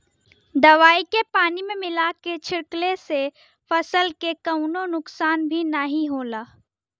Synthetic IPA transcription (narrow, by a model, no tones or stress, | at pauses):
d̪ɐʋaːikepaːnimẽmɪlaket͡ʃʰɪɾklese | fɐsəlkekɐʊnonʊksaːnbʱinaɦĩɦoːlaː